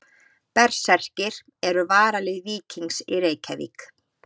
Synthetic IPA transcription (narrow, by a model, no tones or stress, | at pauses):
pɛɾ̥sɛr̥cɪɾ̥ | ɛɾʏvaːɾalɪɣviːciŋsɪɾeːjcʰavḭk